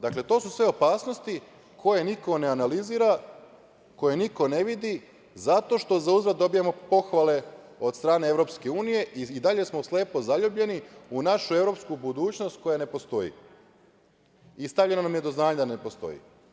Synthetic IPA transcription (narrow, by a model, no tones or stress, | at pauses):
d̪akle̞t̪o̞ːsusʋe̞o̞paːsnost̪i | kʰo̞je̞niko̞ne̞analiziːɾa | ko̞je̞niko̞ne̞ʋid̪i | zat̪o̞ʃt̪o̞zauzɾad̪d̪o̞bijamo̞po̞xʋale̞o̞d̪st̪ɾaːne̞evɾo̞pske̞uːnije̞ʔiid̪aʎe̞smo̞sle̞ːpo̞zaʎuːbʎe̞niunaʃue̞vɾo̞pskubud̪uːt͡ɕnost̪̚ko̞jane̞po̞st̪o̞jḭ | ist̪aʋʎe̞nonamje̞d̪oznaːɲad̪anepost̪o̞̰jḭ